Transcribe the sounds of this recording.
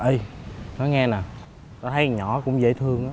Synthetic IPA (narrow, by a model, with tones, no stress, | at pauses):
ʔə˧jnɔ˨˦ŋɛ˧naː˨˩ | nɔ˨˦t̪ʰə˨˦jɲɔ˧˩kʊ̰˧˥ŋ͡mzḛː˧˥t̪ʰɨ˧əŋʔaː˨˦